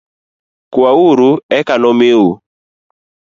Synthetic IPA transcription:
kwawuɾuɛkanɔmɪu

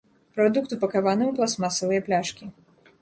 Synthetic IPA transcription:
pɾɔd̪ukt̪upɐkavanɨuplˠasmasɐvɨjɐplʲaʂkʲi

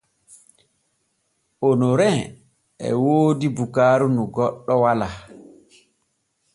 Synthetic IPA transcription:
ʔonoɾɛ | ɛ̰woːdibukaːɾunuɡɔɗːɔwala

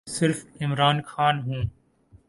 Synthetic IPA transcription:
sɪɾfɪmɾaːnxaːnɦũː

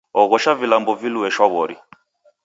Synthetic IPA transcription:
ɔɣɔʃavilambɔviluɛʃwaβɔɾḭ

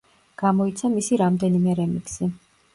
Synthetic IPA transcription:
ɡ̥amɔit̪sʰamisiɾamd̪ɛnimɛɾɛmḭksi

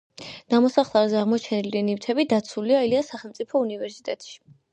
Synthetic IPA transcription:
d̪̥amɔsaχlˠaɾzɛaʁmɔt͡ʃʰɛnilianift̪ʰɛbid̪at̪sʰuliailiasaχɛlˠt̪sʼipʰɔunivɛɾsi̥t̪ʼɛt̪ʼʃi̥

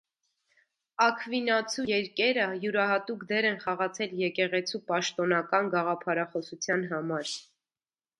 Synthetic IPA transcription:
ɑkʰvinɑt͡sʰujɛɾkɛɾəjuɾɑɦɑt̪ukd̪ɛɾɛnχɑʁɑt͡sʰɛljɛkɛʁɛt͡sʰupɑʃt̪ɔnɑkɑnɡɑʁɑpʰɑɾɑχɔsut͡sʰjɑnɦɑmɑɾ

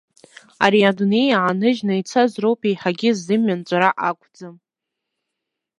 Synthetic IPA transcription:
a̰ɾiadunejaʕanɨʒnɨit͡sʰazrowpʰejħaɡʲɪzːɨmɥant͡ɕʷʼaɾaʔakʷʰʼd͡zam

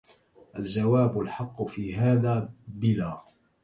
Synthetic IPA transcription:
ʔald͡ʒawaːbʊlħɑqːʊfiːɦaːðaːbɪlaː

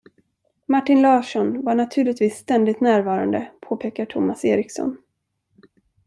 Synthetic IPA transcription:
maʈːɪnlɑːʂɔnvaɳat̪ʰʉ̟ːɭɪt̪viːsːt̪ɛnd̪ɪt̪næːɾvɑːɾand̪ə̰pʰoːpʰeːkaʈʰʊmasḛːɾɪksɔ̰n

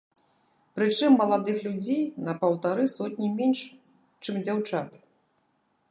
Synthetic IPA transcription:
pɾɨt͡ʂɨmːɐlˠad̪ɨxlʲud͡zʲejnɐpɐwt̪aɾɨsɔt̪ʲnʲimʲenʂ | t͡ʂɨmd͡zʲawt͡ʂat̪

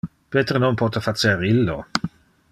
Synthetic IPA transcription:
peːt̪ɾononpɔt̪afat͡seɾilːo̰

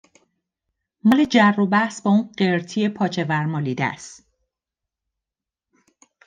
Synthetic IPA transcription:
mɒːle̞d͡ʒærːobæhsbɒːuːnɢeɾt̪ʰiːje̞pʰɒːt͡ʃʰe̞væɾmɒːliːd̪æ̰st̪

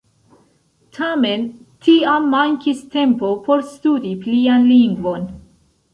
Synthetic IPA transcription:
tʰame̞ntʰiamːaŋkiste̞mpo̞po̞ɾstudiplianliŋɡvo̞n

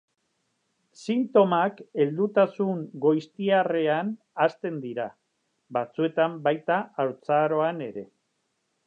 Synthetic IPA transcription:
sint̪o̞make̞ld̪ut̪asuŋɡo̞jst̪iare̞an | ast̪e̞nd̪iɾa | bat͡sue̞t̪ambajt̪aawt͡saɾo̞ane̞ɾe̞

